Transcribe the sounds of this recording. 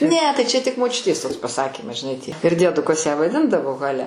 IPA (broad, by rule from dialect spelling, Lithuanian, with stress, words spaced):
nʲɛ tɐɪ t͡ʃʲɛ tʲɪk moːˈt͡ʃʲʊtʲeːs ˈtoːks pɐˈsɑːkʲiːmɐs ʒʲɪˈnɐɪ tʲiɛ ɪr dʲiɛˈdʊkɐs jæː ʋɐˈdʲɪndɐʋoː ɣɐˈlʲɛ